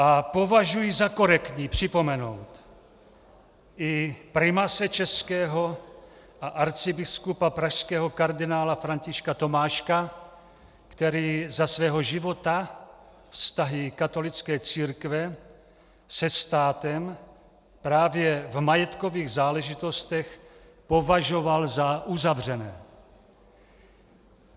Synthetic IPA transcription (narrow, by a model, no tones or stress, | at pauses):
ʔapo̞vaʒujizakoɾɛkt̪ɲipr̝̥ɪpo̞mɛno̞wt̪ | ʔɪpɾɪmasɛt͡ʃɛskɛːɦo | ʔaʔaɾt͡sɪbɪskupapɾaʃskɛːɦokaɾd̪ɪnaːlafɾaɲcɪʃkat̪o̞maːʃka | kt̪ɛɾiːzasvɛːɦoʒɪvo̞t̪a | fst̪aɦɪkat̪o̞lɪt͡skɛːt͡siːɾkvɛ | sɛst̪aːt̪ɛm | pɾaːvjɛvmajɛt̪ko̞viːɣzaːlɛʒɪt̪o̞st̪ɛx | po̞vaʒo̞valzaʔuzavr̝ɛnɛː